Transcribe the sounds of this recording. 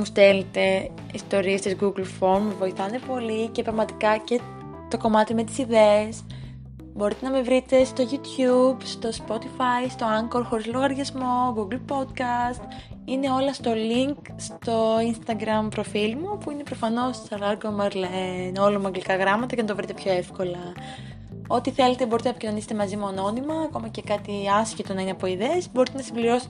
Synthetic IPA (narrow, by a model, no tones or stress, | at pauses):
must̪elet̪e̞ | ist̪o̞ɾiest̪izɡuɡlfo̞ɾmevo̞iθɐne̞po̞lice̞pɾɐɣmɐt̪ikɐce̞ | t̪o̞ko̞mɐt̪ime̞t̪i̥siðees | bo̞ɾit̪e̞nɐme̞vɾit̪e̞st̪o̞ʝut̪çubst̪o̞spo̞t̪ifɐjst̪o̞ɐŋkoɾxo̞ɾizlo̞ɣɐɾʝɐzmo̞ɡuɡlpo̞d̪kɐst̪ | ine̞o̞lɐst̪o̞liŋk | st̪o̞inst̪ɐɡɾɐmpɾo̞filmupuine̞pɾofɐno̞ssɐɾɐɡomɐɾleno̞lɐmɐŋɡlikɐɣɾɐmɐt̪ɐcenɐt̪ovɾit̪e̞pço̞e̞fko̞lɐ | o̞t̪iθe̞le̞t̪e̞boɾit̪enɐpo̥cinoniset̪e̞mɐzimuɐno̞nimɐːko̞mɐce̞kɐt̪iɐsçet̪o̞nɐineɐpo̞iðeːsbo̞ɾit̪e̞nɐsimbliɾo̞se̥t̪